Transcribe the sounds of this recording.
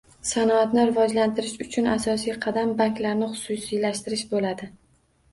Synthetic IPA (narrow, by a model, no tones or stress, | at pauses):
sanɒat̪nɪɾɪvɒd͡ʒlant̪ʰɪɾɪʃʊt͡ʃʰʊnasɒsijqʰɑd̪ambaŋkʲlaɾnɪχʊ̥sʊsilaʃt̪ɪɾɪʃbolad̪ɪ